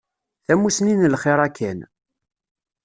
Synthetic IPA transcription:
θæmusninlχɪɾˤækʰːæn

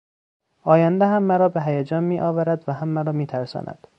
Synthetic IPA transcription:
ʔɒːjænd̪eɦæmːæɾɒːbeɦæjæd͡ʒɒːnmiːʔɒːvæɾæd̪væɦæmːæɾɒːmiːt̪ʰæɾsɒ̰ːnʔæ̰d̪̥

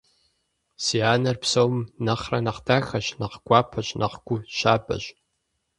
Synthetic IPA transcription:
sianɐrpʰsowmnaχranaχdaxaʃnaqɡʷapʰaʃnʔa̰qɡʷʊʃabɐ̰ʒʷ

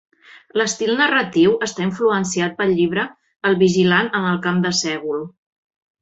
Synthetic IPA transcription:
ləst̪ilˠnərət̪iwəst̪aiɱfluəns̬iat̪̚pəlʎiβɾəː | lˠβiʒilanənəlˠkamd̪əsɛɣ̞ulˠ

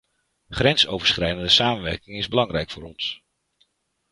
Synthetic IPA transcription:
χrɛnsowvəɹsχrɛjdəndəsaːmənʋɛɹkɪŋɪzbəlɑŋrɛjkfʊːɾɔns

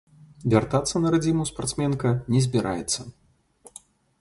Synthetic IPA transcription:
vʲart̪at̪sːɐnɐɾad͡zʲimuspart̪smʲɛnkɐnʲɛzʲbʲɛɾʔa̰jɛt̪sːɐ

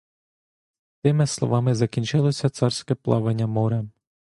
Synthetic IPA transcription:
t̪ɪmɪslˠɔ̰ʋɑmɪzɐkʲinʲt͡ʃɪlˠɔsʲɐt̪sɑrsʲkɛplˠɑ̰ʋenʲːɐmɔɾɛ

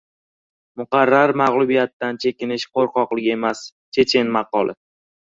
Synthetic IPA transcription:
mʊqɑɾːaɾmaʁlˠʊbijat̪ːant͡ʃʰe̞kʲɪnɪʃqʰoɾqɒqlˠɪkʲe̞mas | t͡ʃʰe̞t͡ʃʰenmɑqɒlˠɪ̰

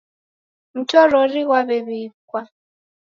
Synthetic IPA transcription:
m̩tʰɔɾɔriwaβɛβiːkwa

